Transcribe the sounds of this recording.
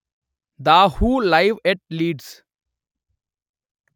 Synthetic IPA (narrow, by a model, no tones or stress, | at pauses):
d̪ahuːlaɪʋɛʈ̚liːɖs